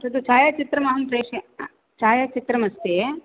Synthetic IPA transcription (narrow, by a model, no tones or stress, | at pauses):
t̪ɐd̪ut͡ʃaːjaːt͡ʃit̪ɾɐmɐɦɐmpɾeːʂe | t͡ʃaːjaːt͡ʃit̪ɾɐmɐst̪e